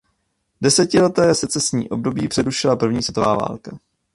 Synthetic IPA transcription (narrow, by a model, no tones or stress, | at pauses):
dɛsɛcɪlɛt̪ɛːsɛt͡sɛsɲḭːʔo̞b̚do̞biːpr̥ɛɾuʃɪlapr̩vɲiːsvɛt̪ova̰ːva̰ːlka